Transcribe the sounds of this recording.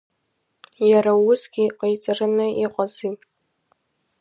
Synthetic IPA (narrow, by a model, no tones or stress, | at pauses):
jaɾawʊsɡʲiqʷʼejt͡sʼɨrɨnɨʔiqʼazi